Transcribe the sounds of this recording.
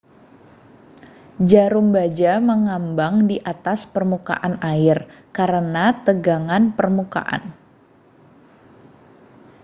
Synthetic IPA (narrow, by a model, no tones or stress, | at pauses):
d͡ʒaɾumbad͡ʒaməŋambaŋdiʔat̪aspərmuka̰ʔanaɪrkaɾənat̪əɡaŋanpərmuka̰ʔa̰n